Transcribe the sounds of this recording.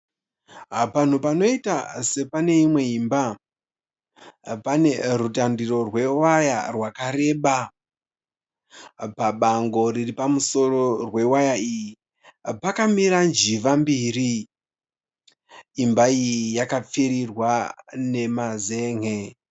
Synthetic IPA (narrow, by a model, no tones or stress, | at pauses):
pan̤upano̞itase̞pane̞imwe̞imba | pane̞rutandiro̞rwe̞waja̰rwakaɾe̞ːɓa | paɓaŋɡo̞riripamuso̞ro̞rwe̞wajaiːji | pakamiɾand͡ʒiʋambiːri | mbaijiijakap͡fiɾirwane̞maze̞ːŋe